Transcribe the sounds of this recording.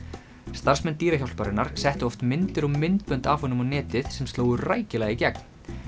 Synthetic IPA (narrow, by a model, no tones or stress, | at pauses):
st̪aɾ̥smɛnt̪iːɾaçawlspaɾɪnaɾ̥sɛht̪ʏɔft̪mɪnt̪ɪɾɔmɪnt̪pʏnt̪afhɔnʏmanɛːt̪ɪðsɛmst̪loːwðʏraːjcɪlaɣicɛkn